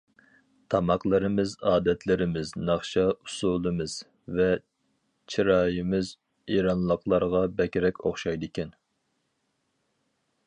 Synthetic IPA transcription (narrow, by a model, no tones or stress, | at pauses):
t̪ʰɑmɑqlˠəɾɨmɪzɑːd̪ɛt̪ʰlɪɾɪmɪznɑχʃɑusulˠɨmɨz̥ | vɛ | t͡ʃʰiɾɑːjɪmɪz | iɾɑnlˠəqlˠɑɾʁɑbɛkʲɾɛkʲoχʃɑjd̪ɨkʲɛn